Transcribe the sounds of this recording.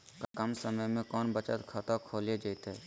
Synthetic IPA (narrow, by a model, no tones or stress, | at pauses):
kəmsəməjmẽkɔːnbət͡ʃət̪kʰat̪akʰoːled͡ʒəɪt̪ɦɛ